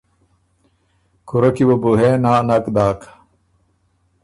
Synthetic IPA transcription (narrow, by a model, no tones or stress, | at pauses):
kuɾɐkiwobuɦeːnaːnɐkd̪aːk